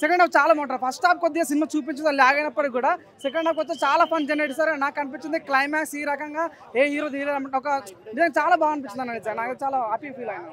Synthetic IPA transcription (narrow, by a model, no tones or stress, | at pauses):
sekeɳɖaːt͡ʃaːlaːmɐːʈ̬ɐnpʰɐsʈaːp̚kod̪ːiɡaːs̬inimaːt͡ʃuːp̬iɲt͡ʃɐd̪alɛːɡɐjnɐpːɐɽuɡuːɽaː | sek̬eɳɖaːbkɔt͡ʃːɐt͡ʃaːlaːpʰɐnd͡ʒeneʈisaɾenaːkːɐnip̬it͡ʃːind̪iklɐjmaːksiːɾɐkɐŋɡaː | eːiːɾoːd͡ʒiːleɐmɔkɐnizɐŋɡaɐt͡ʃaːlaːbaːɡɐnipit͡ʃinɐnɐnisaːɾnaːkt̪t͡ʃaːlaːaːpipiːlɐjnɐ